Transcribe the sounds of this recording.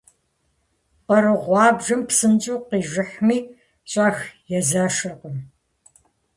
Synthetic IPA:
qɐɾɨʁʷɑːbʒɐmpsɨnt͡ʃʼuːqiːʒɪħmiː | ɕʼaːxjɛzaːʃɐrqəm

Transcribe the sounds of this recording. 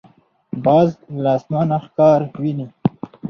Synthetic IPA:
bɑːzlɑsmanaxkɑɾwini

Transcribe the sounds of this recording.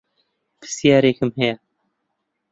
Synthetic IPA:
pʰɨ̥sijaːɾeːkʰɨmhɛjɛ

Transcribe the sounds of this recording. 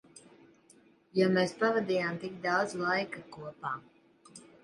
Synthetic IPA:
jameːspavad̪iːjaːmt̪ik̚d̪awd̪zlˠajkakuɔpaː

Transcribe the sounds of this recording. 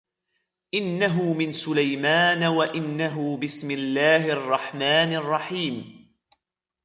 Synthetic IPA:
ʔɪnːaɦʊmɪnsʊlajmaːnawaʔɪnːaɦʊbɪsmɪlːaːhrˤːɑħmaːnɑrˤːɑħiːm

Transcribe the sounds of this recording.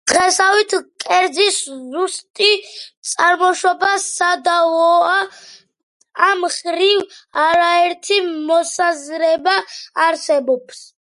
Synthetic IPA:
d̪̥ɛsawit̪ʰkʼɛɾd̪ziszust̪ʼit̪sʼaɾmɔʃɔbasad̪aɔa | amχɾivaɾaɛɾt̪ʰimɔsazɾɛbaːɾsɛbɔps

